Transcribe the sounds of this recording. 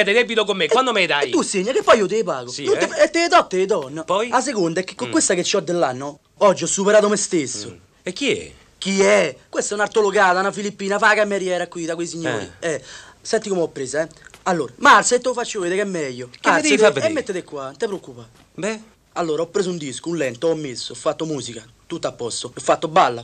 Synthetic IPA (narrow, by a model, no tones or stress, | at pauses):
ɛd̪ɛd̪ɛbit̪okomːekwand̪omɛjðaɛːuseɲːakepːɔjot̪epaːɣusinuneɛt̪ːet̪ɔt̪ːeðɔnːapɔjas̬ekond̪aɛkːe̥kːokːwest̪aket͡ʃːiɔd̪ːelːanːɔ | ɔd͡ʒːiɔsːupɛɾaːðomest̪esːʊ | ɛkːiɛ̰ | k̟iɛkwest̪ɛunaɾt̪oloɡaːðanafilipːiːnafaːkamːeɾjɛːɾakːwiðakweisiɲːo̰ːɾḭɛsɛnt̪ikomɛɔpːɾeːzaɛalːoːɾamaɾsaet̪ːofat͡ʃːoveːðɛkɛmːɛjːokad̪eifavɛmːet̪ːeðekːwant̪epɾokːupa | bɛ | alːoːɾaɔpːɾeːsund̪iskuunlɛnt̪ːɔmːesːoɔfːat̪ːomuːzika | t̪ut̪ːapːɔst̪oɔfːat̪ːobalːa